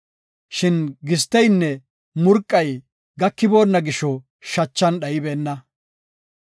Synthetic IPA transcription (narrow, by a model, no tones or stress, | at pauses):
ʃɪnɡɪs̬t̪ːɛjnːɛ | mʊɾkʼːɐj | ɡɐkːɪbo̞ːnːɐɡɪʃɔ | ʃɐt͡ʃːɐnɗɐjɪbeːnːɐ